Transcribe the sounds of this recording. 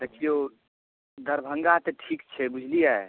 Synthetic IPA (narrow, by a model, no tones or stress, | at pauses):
d̪eːkʰijo | d̪ɐɾbʱə̃ŋɡat̪eʈʰiːkt͡ʃʰɛbud͡ʒʱlijaɛ